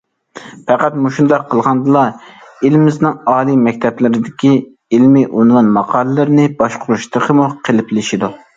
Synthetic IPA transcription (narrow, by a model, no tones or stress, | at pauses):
pʰɛqæt̪muʃund̪ɑqʰːəlˠʁɑnd̪ɨlˠɑilmɪznɪŋɑːlˠimɛkʲt̪ʰɛplɪɾɪd̪ɪkʲi | ilmɪʔunwɑnmɑqʰɑːlˠɨlɨɾnɪbɑʃqʰʊɾuʃt̪ʰəqʰəmuqʰelɪplɪʃid̪u